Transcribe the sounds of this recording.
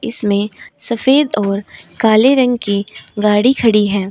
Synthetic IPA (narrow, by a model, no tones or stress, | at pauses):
ɪsmẽsɐfeːd̪ɔːɾkaːleɾɐ̃ŋɡkiɡaːɽikʰɐɽiɦɛ̃ː